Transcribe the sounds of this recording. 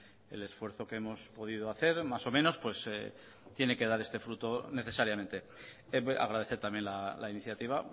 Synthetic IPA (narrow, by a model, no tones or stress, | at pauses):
e̞̰le̞sfwe̞ɾθo̞kee̞mo̞spo̞ðiðoaθe̞ɾmaso̞mẽ̞no̞spwe̞se | t̪je̞neke̞ðaɾe̞st̪e̞fɾut̪o̞ne̞θe̞saɾjament̪e̞ | ea̰ɣ̞ɾað̞e̞θe̞ɾt̪amje̞nlalainiθjat̪iβ̞a